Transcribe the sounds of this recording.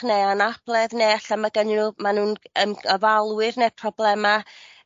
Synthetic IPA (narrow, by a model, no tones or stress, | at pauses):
neanab̥lˠɛðneːaɬamaɡənɪnumanuːnəməvalˠwɨrnepʰrɔblˠɛma